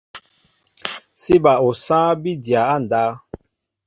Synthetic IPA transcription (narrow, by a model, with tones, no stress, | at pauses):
si˦ba˨o˨sã˦bi˦dja˨a˦˨n˨daː˦